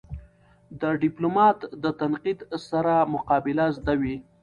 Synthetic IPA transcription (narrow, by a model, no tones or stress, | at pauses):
d̪əɖɪplomɑt̪d̪ət̪anqid̪saɾamʊqɑbɪlazd̪awi